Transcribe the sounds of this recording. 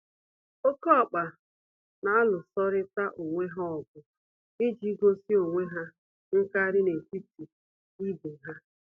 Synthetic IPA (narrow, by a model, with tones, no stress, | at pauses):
o˦kɔ˦˨k͡pa˨ | na˨a˦lʊ˨sɔ˦ɾɪ˦ta˦ʔo˨ŋʷe˦ɦa˦ɔ˨ɡʊ˨ | ɪ˦d͡ʒi˦ɡo˦si˦o˨ŋʷe˦ɦa˦ | ŋ̩˦ka˦ɾɪ˦ne˨ki˦ti˨ | i˦bu˨ɦa˦